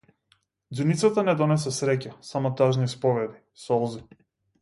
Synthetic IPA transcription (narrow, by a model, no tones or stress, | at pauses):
d̪zunit̪sat̪anɛd̪ɔnɛsɛsɾɛcasamɔt̪aʒnispɔvɛd̪i | sɔlˠzi